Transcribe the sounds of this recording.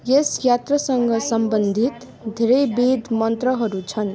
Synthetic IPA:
jesjat̪rʌsʌŋɡʌsʌmbʌnd̪ʱit̪ | d̪ʱeɾʌjbid̪ʱmʌnt̪rʌɦʌɾut͡sʰʌn

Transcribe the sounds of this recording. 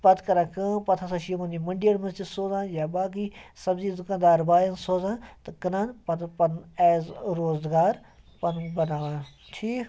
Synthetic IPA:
pɐt̪kɐɾãːkə̃ːpɐt̪ʰasɐʃiːmõniməɳɖijəɽmɐsd͡ʒɪd̪soːzãːnjaːbaːk̬iːsɐbziːzʊkãːnd̪aːɾbaːjãnsoːzãːt̪ɐkɐnãːnpɐt̪pɐnɛːzɾoːzɡaːɾ | pɐnbɐnaːʋãː | ʈʰiːk

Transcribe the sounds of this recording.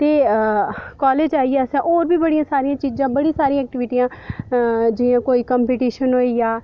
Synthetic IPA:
t̪eː | kɔːleːd͡ʒaːiɛːsãːʔoːɾbiːbəɽijãːsaːɾijãːt͡ʃiːzãːbəɽiːsaːɾĩãɛːk̚ʈɪʋɪʈijãː | d͡ʒɪãːkoːiːkəmpeːʈiːʃənɦoːiːjaː

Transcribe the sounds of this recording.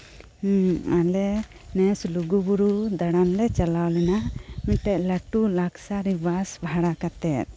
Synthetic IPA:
alɛ | nɛsluɡubuɾud̪aɽanlɛt͡ʃalawlɛnamiʈɛʔ̚laʈulaksaɾibasbʱaɽakat̪ɛt̪̚

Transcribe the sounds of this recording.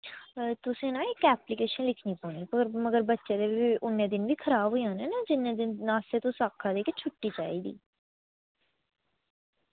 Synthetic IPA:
t̪ʊsẽːnãːɪkɛːplikeːʃənlɪkʰniːpɔːniːpəɾməɡəɾbətːʃeːd̪eːʊnːẽːd̪ɪnʋiːkʰəɾaːbɦʊjãːnɛːnaːd͡ʒɪnːẽːd̪ɪnnãːseːt̪ʊ̃saːkʰːãːd̪eːkɪt͡ʃʰʊʈːiːt͡ʃa̰ːiːd̪ḭː

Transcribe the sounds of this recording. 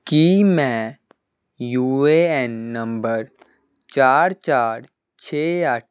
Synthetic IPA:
kimɛ̃ | juːeɛnːɐ̃mbəɾ | t͡ʃaːɾt͡ʃaːɾ | t͡ʃʰeːaʈ̚ʰ

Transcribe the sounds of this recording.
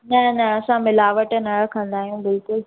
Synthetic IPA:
nɐnɐɐsãmɪlaːʋəʈənɐɽəkʰɐ̃nd̪aːɦijũbɪlkʊl

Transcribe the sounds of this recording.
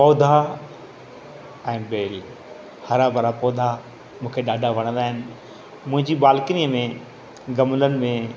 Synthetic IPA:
pɔːd̪ʱa | ɛ̃ːbeːli | hɐɾabɐɾapɔːd̪ʱa | mũːkʰeɗaːɖʱaʋɐɽ̃ə̃nd̪aːɦɪnɪ̆ | mʊ̃ɦɪ̃ɲd͡ʑiɓaːlkniːəmẽ | ɡɐmlənɪ̆mẽ

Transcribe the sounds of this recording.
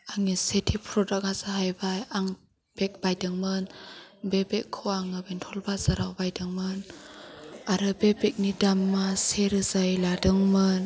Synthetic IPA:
aŋisetʰipʰɾɔdak̚azaɦajbajaŋ | b̥ek̚bajdɯŋmɯnbebekʰːoaŋɯbentʰɔlbazaɾawbajdɯŋmɯn | aɾɯbebek̚nidamːaseɾɯzajladɯŋmɯn

